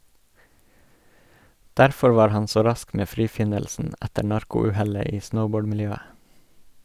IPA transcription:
ˈdæɾfɔ ˈʋɑːɾ ˈhɑn ˈsoː ˈɾɑsk ˈmeː ˈfɾiːˌfɪnəlsn̩ ˈætəɾ ˈnɑɾkʊ ˈʉːhɛlə ˈiː ˈsnəʊˌboːɖ mɪlˈjøːə

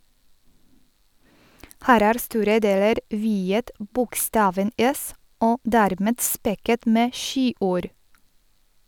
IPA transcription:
ˈhæːɾ ˈæːɾ ˈstuːɾə ˈdeːləɾ ˈʋiːət ˈbʊkˌstɑːʋən ˈɛs ˈoː ˈdæːɾˌmɛd ˈspɛkət ˈmeː ˈʃiːˌʔuːɾ

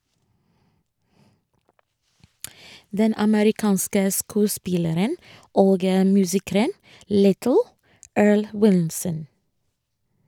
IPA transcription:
ˈdɛn ɑməɾɪˈkɑːnskə ˈskʉːˌspɪləɾən ˈoːɡ ə ˈmʉːsɪkɾən ˈlɪtl̩ ˈøːɹɭ ˈwɪlsən

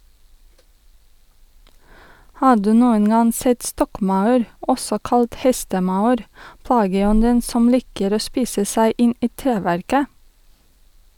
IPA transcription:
ˈhɑː ˈɖʉː ˈnuːən ˈɡɑŋ ˈsɛt ˈstɔkˌmɑʉɾ ˈʔɔsɔ ˈkɑlt ˈhɛstəˌmɑʉɾ ˈplɑːɡəˌɔndən ˈsɔm ˈlɪkəɾ ˈoː ˈspiːsə ˈsæɪ ˈɪn ˈiː ˈtɾeːʋæɾkə

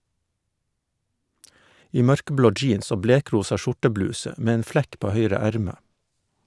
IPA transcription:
ˈiː ˈmœɾkəˌbloː ˈd͡ʒiːns ˈoː ˈbleːˌkɾuːsɑ ˈʃʊʈəˌblʉːsə ˈmeː ˈeːn ˈflɛk ˈpoː ˈhœʏɾə ˈæɾmə

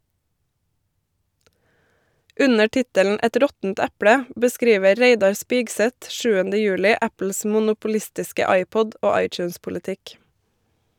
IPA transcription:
ˈʉnə ˈʈɪtəln̩ ˈɛt ˈɾɔtn̩t ˈɛpɽə bəˈskɾiːʋə ˈɾeɪdɑɾ ˈspɪɡˌsɛt ˈʃʉːəndə ˈjʉːlɪ ˈæpl̩s mʊnʊpʊˈlɪstɪskə ˈɑɪˌpɔd ˈoː ˈɑɪˌt͡ʃʉːnspʊlɪˌtɪk

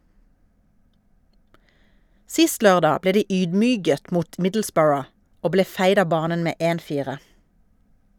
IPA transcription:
ˈsɪst ˈlœʁˌdɑː ˈbleː ˈdiː ˈyːdˌmyːɡət ˈmuːt ˈmɪdl̩ˌsbɜːɹə ˈoː ˈbleː ˈfæɪd ˈɑː ˈbɑːnən ˈmeː ˈʔeːn ˈfiːʁə

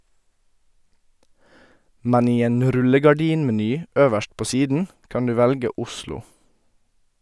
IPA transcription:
ˈmɛn ˈiː ˈeːn ˈɾʉləɡɑˌɖiːnmɛˌnyː ˈøːʋəʃt ˈpoː ˈsiːdn̩ ˈkɑn ˈdʉː ˈʋɛlɡə ˈʊslʊ

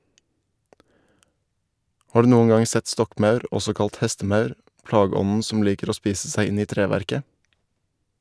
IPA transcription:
ˈʔhɑː ˈɖʉː ˈnuːən ˈɡɑŋ ˈsɛt ˈstɔkˌmɑʉɾ ˈɔsɔ ˈkɑlt ˈhɛstəˌmɑʉɾ ˈʔplɑːɡəˌɔnn̩ ˈsɔm ˈliːkəɾ ˈoː ˈspiːsə ˈsæɪ ˈɪn ˈiː ˈtɾeːʋæɾkə

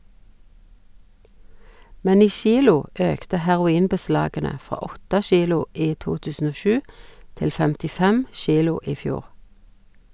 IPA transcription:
ˈmɛn ˈiː ˈʃiːlʊ ˈøːktə hæʁʊˈiːnbəˌslɑːɡənə ˈfʁɑː ˈɔtə ˈʃiːlʊ ˈiː ˈtuː ˈtʉːsn̩ ˈoː ˈʃʉː ˈtɪl fɛmtɪˈfɛm ˈʃiːlʊ ˈiː ˈfjuːʁ

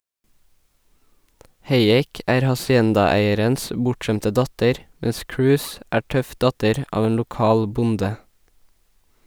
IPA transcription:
ˈheɪˌeːk ˈæːɾ hɑsɪˈɛndɑˌæɪəɾəns ə ˈbʊʈˌʃɛmtə ˈdɑtəɾ ˈmɛs ˈkɹʉːs ˈæː ˈʈœf ˈdɑtəɾ ˈʔɑːʋ ˈeːn lʊˈkɑːl ˈbʊndə

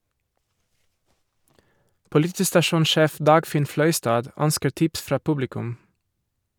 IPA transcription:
pʊlɪˈtiːstɑˌʃuːnˌʃeːf ˈdɑːɡfɪn ˈflœʏstɑːd ˈœnskəɾ ˈtɪps ˈfɾɑː ˈpʊblɪkʉm

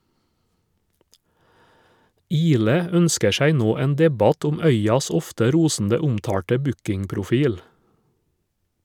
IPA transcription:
ˈiːlɛ ˈœnskə ˈʃæɪ ˈnoː ˈeːn ˈdɛbɑt ˈʊm ˈœʏɑs ˈɔftə ˈɾuːsn̩də ˈʊmtɑːʈə ˈbʉkɪŋpɾʊˌfiːl

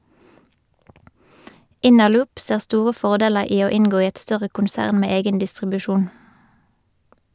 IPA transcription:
ˈɪnəˌlʊːp ˈseːʁ ˈstuːʁə ˈfɔʁˌdeːləʁ ˈiː ˈoː ˈɪŋɡoː ˈiː ˈɛt ˈstœʁə kʊnˈsæːʁn ˈmeː ˈeːɡən dɪstʁɪbʉˈʃuːn

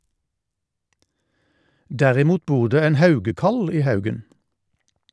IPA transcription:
ˈdæʁɪˌmuːt ˈbuːʁ ˈdeː ˈeːn ˈhɑʉɡəkɑl ˈiː ˈhɑʉɡən

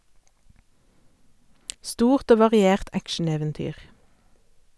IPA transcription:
ˈstuːʁt ˈoː ʋɑʁɪˈeːʁt ˈækʃn̩eːʋɛnˌtyːʁ

